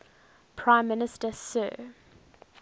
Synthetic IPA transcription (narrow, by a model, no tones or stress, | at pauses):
pʰɹ̥ãɪ̃mːɪnɪstəsɜ̰ː